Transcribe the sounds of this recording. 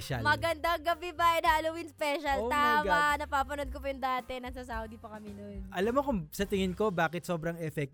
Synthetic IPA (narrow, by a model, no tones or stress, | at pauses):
ʃɐ̰lmɐɡɐnd̪aŋɡɐbibɐʔɛnhaːlowɪnspɛʃɐlt̪amɐnɐpaːpɐnod̪̚kopɐjʊŋd̪aːt̪ɛnɐsɐs̬ɐud̪ipɐkɐminojʔɐlamːokʊŋsɐt̪ɪŋɪnko̞baːkɪt̪so̞ːbɾɐŋɛfɛk̪̚